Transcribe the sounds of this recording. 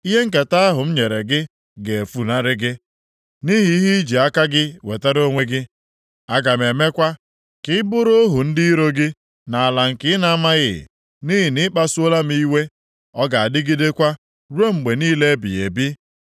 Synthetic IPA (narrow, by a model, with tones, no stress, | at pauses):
i˦ɦe˦ŋ̩˦ka˨ta˦a˦ɦʊ˨m̩˦ɲe˨ɾe˨ɡɪ˦ | ɡe˨e˨fu˦na˦ɾɪ˦ɡɪ˦ | ni˦ɦi˨i˦ɦi˦i˦d͡ʒi˨a˦ka˦ɡɪ˦wḛ˨ta˦ɾo˦ŋʷe˦ɡɪ˦ | a˦ɡa˨me˨me˦kʷa˦ | kɪ˦ɪ˦bʊ˦ɾo˦ɦʊ˨n̩˦di˦ɾo˦ɡɪ˦ | na˨a˨la˨ŋ̩˨kɪ˦ɪ˦na˨a˦ma˦ɣɪ̰˨ | ni˦ɦi˨nɪ˦k͡pa˦su˦o˦la˦m˦i˦i˦we˦ | ɔ˦ɡa˨a˨dɪ˦ɡɪ˦de˦kʷa˦ | ɾu˦e˦ŋ͡m̩˨ɡ͡be˨niː˦le˦e˦bḭ˨ḛ˨bi˦